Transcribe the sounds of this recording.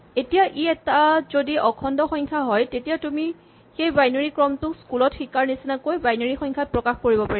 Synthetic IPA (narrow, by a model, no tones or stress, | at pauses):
etijaʔiɛtazodiʔɔkʰɔndɔxɔŋkʰaɦɔjtetijatumi | xejbajnoɹikɹɔmtʊkskulɔtxikaɹnisinakojbajnoɹixɔŋkʰat̚pɹɔkaxkoɹibɔpaɹɛ